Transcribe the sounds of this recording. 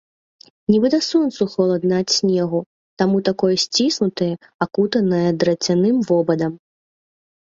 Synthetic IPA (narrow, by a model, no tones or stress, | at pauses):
nʲibɨd̪ɐsɔnt̪suxɐlˠɐd̪nat͡sʲsʲnʲɛɣu | t̪amut̪akɔjɐsʲt͡sʲisnut̪ɐjɐ | akut̪ɐnɐjɐd̪ɾɐt͡sʲanɨmvɔbɐd̪ɐm